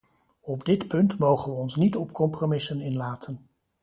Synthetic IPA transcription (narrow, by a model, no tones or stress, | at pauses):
ɔbdɪtpɵntmowχənʋəɔnsnitɔpkɔmpromɪsənɪnlaːtʰən